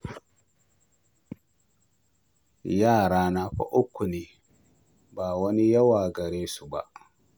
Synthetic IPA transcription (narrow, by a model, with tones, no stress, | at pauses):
jaː˦˨ɾa˨na˦ɸa̰˦ʔu˦kʷːu˨ni˨ | ba˨wa˦ni˦ja˦wa˨ɡa˨ɾe˦su˨ba̰˨